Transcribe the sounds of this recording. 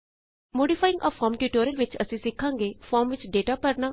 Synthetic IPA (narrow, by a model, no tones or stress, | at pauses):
moːɖipʰaːɪ̃ŋɡʔɔ̰ːfʰɔːɾmʈuːʈoːɾəlʋɪt͡ʃə̰sĩːsɪkʰːãːŋɡeːfʰɔːɾmʋɪt͡ʃɖeːʈaːpəɾnaː